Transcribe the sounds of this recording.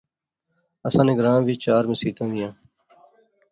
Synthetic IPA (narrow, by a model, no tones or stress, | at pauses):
əsãːneɡɾãːʋiːt͡ʃaːɾmẽːsiːt̪ãːʋɪjãː